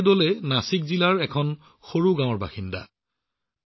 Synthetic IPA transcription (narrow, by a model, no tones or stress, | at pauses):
dolɛnasikzilaɹɛkʰɔn | xoɹuɡãw̃ɔɹba̰xinda̰